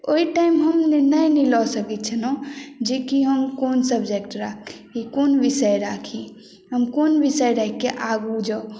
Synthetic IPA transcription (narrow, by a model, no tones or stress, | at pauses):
oiʈaɪmɦəmninəjnilɔsəkit̪̚t͡ʃʰənod͡ʒekiɦəmkonsəbd͡ʒekʈɾakʰ | ikonbisəjɾakʰi | ɦəmkonbisəjɾəɦɛkːeʔaɡud͡ʒɔ